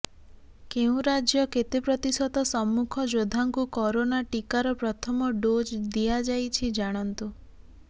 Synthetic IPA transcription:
keũɾad͡ʒjɔket̪epɾɔt̪isɔt̪ɔsɔmːukʰɔd͡ʒod̪ʱaŋkukɔɾonaʈikaɾɔpɾɔt̪ʰɔmɔɖod͡ʒd̪ijad͡ʒajt͡ʃʰid͡ʒaɽ̃ɔnt̪u

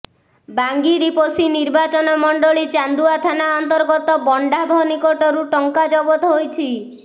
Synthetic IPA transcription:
baŋɡiɾiposiniɾbat͡ʃɔnɔmɔɳɖɔɭit͡ʃand̪uat̪ʰanaɔnt̪ɔɾɡɔt̪ɔbɔɳɖabʱɔnikoʈɔɾuʈɔŋkad͡ʒɔbɔt̪ɔɦojt͡ʃʰi

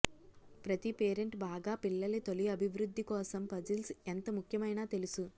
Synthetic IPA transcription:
pɾɐt̪ipeːɾe̞ɳʈbaːɡaːpiɭːɐlit̪o̞liɐbʱiʋɾud̪ʱːikɔːsɐmpɐd͡ʒilsent̪ɐmukʰjɐmɐjnaːt̪e̞lusu

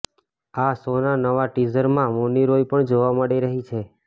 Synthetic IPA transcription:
asonanəʋaʈizəɾmãmoniɾojpəɳd͡ʒoʋaməɽiɾəɦit͡ʃʰe

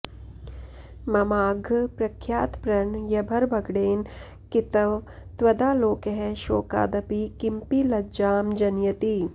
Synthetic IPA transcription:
mɐmaːɡʱpɾɐkʰjaːt̪pɾɐɳjɐbʱɐɾbɐɡɽeːn | kɪt̪ɐʋ | t̪wɐd̪aːloːkeɦɛʃoːka̰ːd̪ɐpikɪmpilɐd͡ʒaːmd͡ʒɐnjɐt̪iː

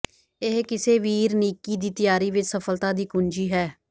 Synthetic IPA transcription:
ɪɦkɪseːʋiːɾniːkːiːd̪iːt̪ɪjaːɾiːʋɪt͡ʃsəpʰəlt̪ãːd̪iːkʊnd͡ʒiːɦɛː

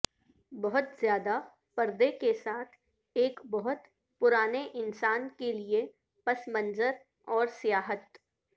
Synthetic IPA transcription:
bɐɦʊt̪zjaːd̪a | pɐɾd̪ekesaːt̪ʰ | eːkbɐɦʊt̪ | pʊɾaːneʔɪnsaːnkelie | pɐsmə̃nzəɾ | ɔːɾsijaːɦət̪

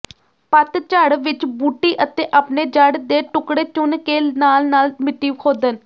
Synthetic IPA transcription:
pət̪t͡ʃəɽʋɪt͡ʃbuːʈːiːʔət̪eːʔapneːd͡ʒəɖd̪eːʈʊkɽeːt͡ʃʊnkeːnaːlnaːlmɪt̪ːiːkʰoːd̪ən

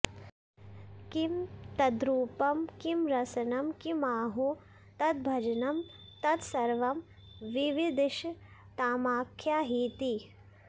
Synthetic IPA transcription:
kimt̪ɐd̪ɾuːpɐmkimɾɐsɐnɐmkimaːɦu | t̪ɐt̪̚bʱɐd͡ʒɐnɐmt̪ɐt̪sɐɾʋɐm | ʋiʋid̪iʃt̪aːmaːkʰjaːɦiːt̪i

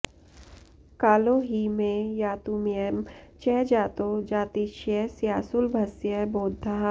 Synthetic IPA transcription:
kaːloɦimẽjaːt̪umiɛmt͡ʃɛːd͡ʒaːt̪od͡ʒaːt̪iʃjɛsijaːsʊlbʱɐsjɛboːd̪ʱːa

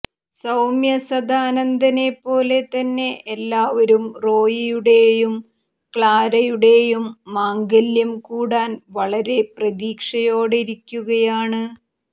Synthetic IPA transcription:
sɐwmjɐsɐd̪aːnɐnd̪ʱɐne̞pːo̞ːle̞t̪ɐnːe̞ʔːlːaːʋɐɾumro̞ːjijuɽe̞jum | kɭaːɾɐjuɽe̞ːjumːaːŋɡɐljɐmkuːɽaːnʋɐɭɐɾe̞prɐðiːkʂɐjo̞ːɽiɾikʲːuɣɐjaːɳɨ

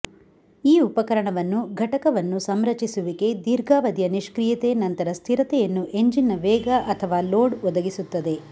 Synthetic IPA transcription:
iːupɐkɐɾɐɳɐʋɐnːuɡʱɐʈɐkɐʋɐnːusɐmɾɐt͡ʃisuʋike̞d̪iːɾɡʱaːʋɐd̪jɐniʃkɾijɐt̪e̞nɐnt̪ɐɾɐst̪ʰiɾɐt̪ɛjɐnːuʔe̞ɲd͡ʒinːɐʋɛːɡɐʔɐt̪ʰɐʋaːloːɖɔd̪ɐɡisut̪ːɐd̪e̞

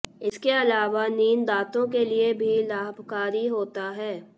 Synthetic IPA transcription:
ɪskeɐlaːʋaniːnd̪aːt̪õkeliebʱilaːbʱkaːɾiɦoːt̪aɦɛː

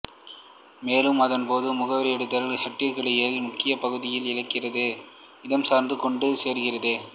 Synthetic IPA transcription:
meːlɯmɐðɐnpoːðɯmʊɣɐʋɐɾɪɛɽɯt̪ːɐlhɐʈːɪɾɣɐɭɐjemʊkːɪjɐpɐɣɯðɪjɪlɪɻɐɪkːɪrɐðɯ | ɪðɐmsaːɾnd̪ɯkɔɳɖɯseːɾɯɣɪrɐðɯ

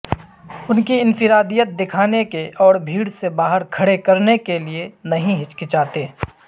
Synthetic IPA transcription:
ʊnkiɪnfɪɾaːd̪ijət̪̚d̪ɪkʰaːnekeʔɔːɽbʱiːɽsebaːɦəɾkʰɐɽekɐɾnekelienɐɦĩɦɪt͡ʃkɪt͡ʃaːt̪eː

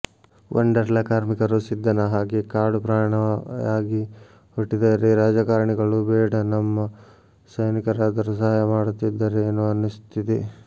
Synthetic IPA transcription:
ʋʔɐ̰ɳɖɐɾlɐkaːɾmikɐɾusid̪ːɐnɐɦaːɡikaːɽupɾaːɐɳɐaːɡi | huʈːid̪aɾeɾaːd͡ʒɐkaːɾɐɳiɡɐɭubɛːɽɐnɐmːɐ | sɐjnikɐɾaːd̪ɐɾusɐɦaːjɐmaːɽut̪ːid̪ːɐɾeːnːuɐnust̪ʰit̪i

